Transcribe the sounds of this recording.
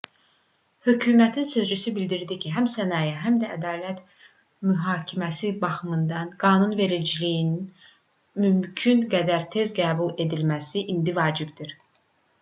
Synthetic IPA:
høcʰyːmæt̪ʰinsø̞zd͡ʒysybild̪iɾd̪icʰiɦæmsænɑːjæɦæmd̪æːd̪ɑːlæt̪ | myɦɑːcʰimæsibɑxɯmɯnd̪ɑnɡ̥ɑːnunve̞ɾid͡ʒilijinin | mymcʰynɡæd̪æɾt̪ʰe̞zɡæːbulˠe̞d̪ilmæsiʔind̪ivɑːd͡ʒibd̪iɾ

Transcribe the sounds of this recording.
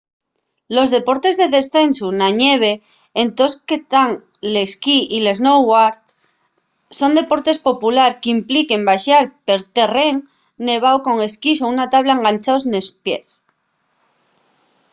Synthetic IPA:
lo̞zðe̞po̞ɾt̪e̞zðeðe̞sθe̞nsunaɲe̞β̞e̞ː | nt̪o̞sket̪aŋ | leskiʔile̞znowaɾt̪ | so̞nd̪e̞po̞ɾt̪e̞spo̞pulaɾkimplike̞mbaʃaɾpe̞ɾt̪e̞re̞ŋ | ne̞β̞awko̞ŋe̞skisounat̪aβlaeŋɡant͡ʃawznespje̞s

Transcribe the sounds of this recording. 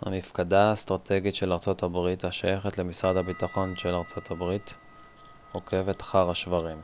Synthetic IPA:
ha̰nifkadast̪ʁatʰe̞ɡitʃelaʁt͡so̞thabʁithaʃajeχetle̞misʁad̪habitaχo̞nʃelaʁt͡so̞tʰhabʁit | hokʰe̞vetḁχaʁaʃvaʁim

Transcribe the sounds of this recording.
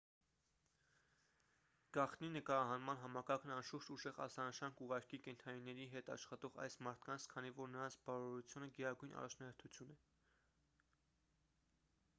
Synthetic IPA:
ɡ̥ɑχt̪ninəkɑɾɑɦɑnmɑnɦɑmɑkɑɾkʰnɑnʃuɾt͡ʃuʒɛʁɑ̰sɑnəʃɑŋkuʁɑɾkikɛnt̪ʰɑninːɛɾiɦɛt̪ɑ̰ʃχɑt̪ɔʁɑ̰jsmɑɾt̪ʰkɑnt͡sʰkʰɑnivɔɾnəɾɑnt͡sʰbɑɾɔɾut͡sʰjunəɡɛɾɑɡujnʔɑ̰rɑt͡ʃʰnɑhɛɾt̪ʰut͡sʰjunɛ

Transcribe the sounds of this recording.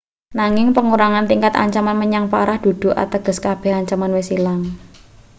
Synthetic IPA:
naŋɪŋpəŋuɾaŋant̪iŋkat̪a̰ɲt͡ʃamanməɲaŋpa̰ɾahd̪̥ṳd̪̥ṳʔa̰t̪əɡ̥ə̤skab̥ɛ̤haɲt͡ʃamanwesilaŋ

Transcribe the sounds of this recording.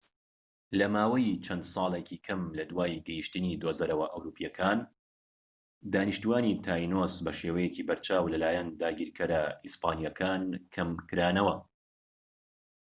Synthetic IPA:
lɐmaːwɐjt͡ʃʰɐnd̪sˤɑːlˠecʰikʰɐmlɐd̪waːjɡɛjiʃt̪ɨnid̪ozɐɾɐwɐʔɐwɾuːpʰijɐkʰaːn | d̪aːniʃt̪uwaːnit̪ʰaːjnosbɐʃeːwɐjeciːbɐɾt͡ʃʰaːwlɐlaːjɛnd̪aːɡiːɾkʰɐɾɐispaːnijakʰaːnkʰɐmkɨɾaːnɐwɐ

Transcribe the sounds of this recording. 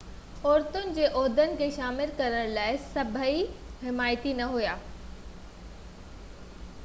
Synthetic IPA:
ɔːɾt̪ʊnɪ̆d͡ʑeːʔɔːɾd̪ʱənɪ̆kʰeːʃaːmɪlkɐɾəɽ̃laːɪsɐbʱəiɦɪmaːjt̪inɐɦujaː

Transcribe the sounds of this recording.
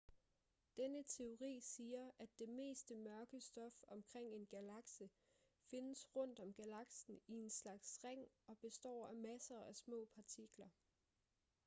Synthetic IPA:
d̥enət͡sʰe̝o̝ʁḭːsiːɐʔæd̥ːe̝me̝̰ːsd̥əmɶɐɡ̥əsd̥ɒ̽fɒ̽mkʰʁeŋ̰e̝nɡ̥ælɑ̈ɡ̥sə | fe̝nəsʁɔ̽n̰d̥ɒ̽mɡ̥ælɑ̈ɡ̥sn̩ie̝nslɑ̈ɡ̥sʁeŋ̰ɒ̽b̥e̝sd̥ɒ̰ːæmæsɐːʔæsmɔ̰̽ːpʰɑ̈t͡sʰiɡ̥lɐ

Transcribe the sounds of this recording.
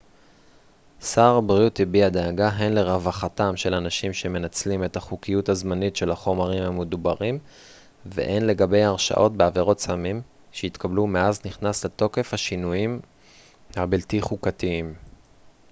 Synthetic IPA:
saʁbʁiut̪ibiad̪eaɡaɦe̞nle̞ʁavaχatamʃe̞lanaʃimʃe̞me̞nat͡slime̞taχukijuthazmanitʃe̞laχo̞maʁimhamed̪ubaʁim | vḛʔenle̞ɡabe̞jaʁʃa̰ʔo̞t̚beaveʁo̞tsamim | ʃeit̪kablume̞azniχnasleto̞ke̞fhaʃinujim | habiltiχukatiim

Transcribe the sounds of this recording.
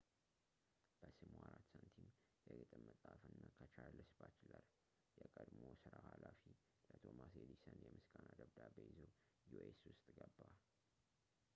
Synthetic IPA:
b̥əsɨmwaɾat̪sənt̪ʰim | jɛɡɨt̪ʼɨmːəsʼafɨnːakʰət͡ʃʰalːəsbat͡ʃlal | jɛkʼəd̪mosɨɾahalafi | lət̪ʰomased̪isənjɛmɨskʼanad̪əβd̪abeizo | jueswʊst̪ʼɡəbːa

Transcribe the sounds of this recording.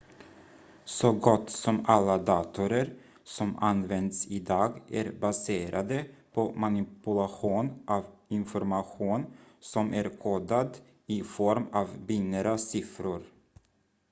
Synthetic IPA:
sɔɡɔt̪ːsɔmalːad̪ɑːt̪ʊɾəɾ | sɔmanvɛnd̪sɪd̪ɑːɡæɾbaseːɾʔad̪əpʰɔmanɪpɵlaɧuːnʔavɪnfɔɾmaɧuːnsɔmʔæɾkʰɔd̪ad̪ | ɪfɔɾmɑːvbɪnːəɾasɪfɾʊɾ

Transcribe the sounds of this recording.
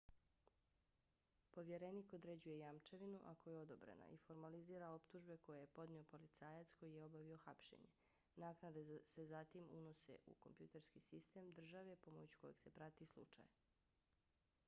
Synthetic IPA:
po̞ʋje̞ɾeniko̞d̪ɾed͡ʑuje̞jamt͡ʃeʋinuʔakojeo̞d̪obɾḛna̰ʔifo̞ɾmaliziːɾao̞pt̪uʒbe̞ko̞jeje̞po̞d̪nio̞po̞lit̪saːjat̪sko̞jijeo̞baʋio̞xapʃḛɲḛ | naːknad̪esezat̪imṵno̞se̞̰ʔṵko̞̰mpjut̪e̞ɾskisist̪emd̪r̩ʒaʋepo̞mot͡ɕu̥ko̞jeɡ̥se̞pɾat̪islˠṵt͡ʃa̰j

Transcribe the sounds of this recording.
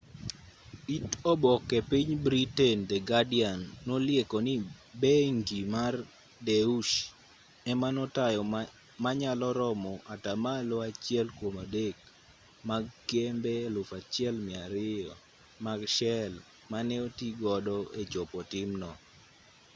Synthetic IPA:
itɔbɔkːɛpiɲbɾitɛndɛɡadɪanːolɪekɔnibeŋɡimar | deuʃ | ɛmanɔtajɔ | maɲalɔɾɔmɔʔatamaloat͡ʃɪɛlkwomadek̚ | maɡkembelʊfat͡ʃɪɛlmɪaɾɪjɔ | maɡʃɛl | manɛotiɡɔdɔet͡ʃopɔtɪmnɔ

